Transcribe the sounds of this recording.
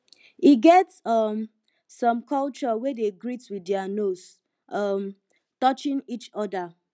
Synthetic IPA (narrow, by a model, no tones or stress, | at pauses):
iɡɛtsʌmː | ɔ̃mkɔlt͡ʃɔwedeɡɹitwiddɛanos | ʔʌm | tɔt͡ʃĩnit͡ʃɔda